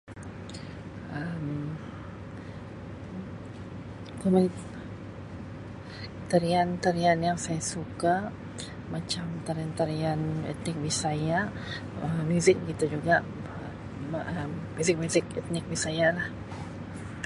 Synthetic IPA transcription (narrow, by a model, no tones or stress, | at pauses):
əm | kəma | t̪aɾiant̪aɾianjaŋsajasuka | mat͡ʃamt̪aɾiant̪aɾianɛ̰t̪̚nɪk̚bisaja | əmjuzɪk̚ɡit̪ud͡ʒuɡaʔ | ʔəmbizɪk̚mjuzɪk̚ɛt̪̚nɪk̚bisajalah